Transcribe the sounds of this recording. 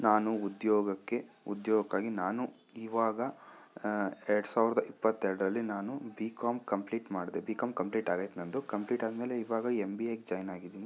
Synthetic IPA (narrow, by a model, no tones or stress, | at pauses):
naːnuud̪jɔːɡɐkːe̞ | ud̪jɔːɡɐkːaːɡinaːnu | iːʋaːɡɐ | ɛɾɐɽusaːʋiɾɐd̪ɐʔipːɐt̪ːɛɾɽɐɾɐlːinaːnubiːkaːmkɐmpliːʈmaːɽid̪ebiːkaːmkɐmpliːʈaːɡɐjt̪nɐnd̪ukɐmpliːʈaːd̪meːle̞iːʋaːɡɐembiekd͡ʒɐjnaːɡid̪iːni